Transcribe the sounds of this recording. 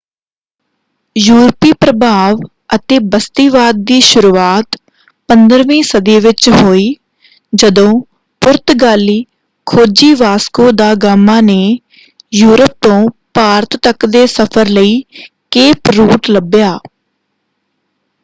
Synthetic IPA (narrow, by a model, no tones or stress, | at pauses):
juːɾpiːpɾəbʱaːʋ | ət̪eːbəst̪iːʋaːd̪̚ːiːʃʊɾuːaːt̪ | pənd̪əɾʋĩːsəd̪eːʋɪt͡ʃɦoːiː | d͡ʒəd̪õː | pʊɾt̪ɡaːliː | kʰoːd͡ʒiːʋaːskõːd̪aːɡaːmːãːneː | juːɾəp̚t̪õːpaːɾt̪ːəkd̪eːsəpʰəɾləiː | keːpɾuːʈləbjaː